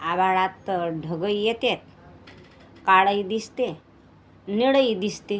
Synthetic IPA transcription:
abaɭat̪ɖʱəɡəjjet̪et̪̚ | kaɽəjd̪ist̪e | niɽəjd̪ist̪e

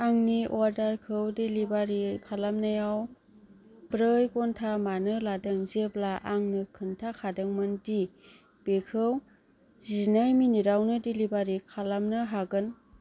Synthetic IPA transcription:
aŋniʔɔɾdaɾkʰɯwdelibaɾikʰalamnajaw | b̥ɾɯjɡɔntʰamanɯladɯŋzeblaʔaŋnɯkʰɯntʰakʰadɯŋmɯndi | b̥ekʰɯw | zinajminiɾawnɯdelibaɾikʰalamnɯɦaɡɯn

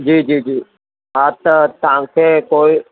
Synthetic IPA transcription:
d͡ʒiːd͡ʒiːd͡ʒiː | at̪t̪ãːŋkʰekoːi

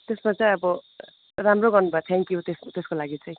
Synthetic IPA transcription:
t̪esmat͡saj̃ʌbʌ | ramroɡʌrnubʱat̪ʰɛŋkjut̪est̪eskolaɡit͡sʌj̃

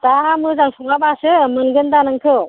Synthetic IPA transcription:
tamɯzaŋsʰɔŋabasɯmɯnɡɯndanɯŋkʰɯ

